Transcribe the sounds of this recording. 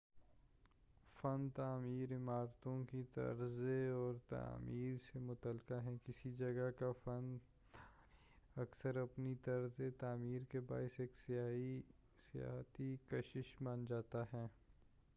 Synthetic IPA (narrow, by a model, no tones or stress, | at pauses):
fɐnt̪aːmiːɾɪmaːɾt̪õkit̪ɐ̰ɾzeɔːɾt̪a̰ːmiːɾsemʊt̪əlkaɦɛ̃kɪsid͡ʒɐɡəɦkafɐn | ɐksəɾɐpnit̪ɐɾzet̪aːmiːɾkeba̰ːɪseːks | sija̰ːɦt̪ikɐʃɪʃmaːnd͡ʒaːt̪aɦɛː